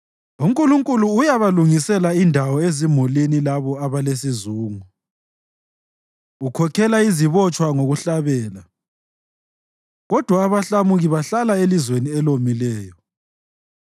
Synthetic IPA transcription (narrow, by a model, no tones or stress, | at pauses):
umkʼuluŋkʼuluːjaβaluŋisɛlaindʱawɔezimulinilaβɔaβalesizuːŋu | ukʰɔkʰɛlaiziβɔt͡ʃʼwaŋoɣuɬaβɛːla | ɣɔd̥ʱwaːβaɬamuɣiβaɬalaelizweniɛlomilɛːjɔ